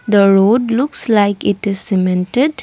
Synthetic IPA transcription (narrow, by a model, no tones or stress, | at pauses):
d̪əɾoːɖlʊkslaɪkɪʈɪzsɪmɛ̃nʈeɖ